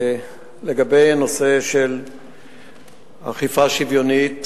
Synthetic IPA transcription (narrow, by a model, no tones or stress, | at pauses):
leɡabe̞jano̞seʃel | ha̰χifaʃivjo̞nit